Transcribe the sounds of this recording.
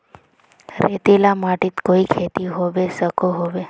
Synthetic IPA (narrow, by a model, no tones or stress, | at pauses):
ɾet̪elamaʈit̪koikʰet̪iɦoʋesəkʰoɦoʋe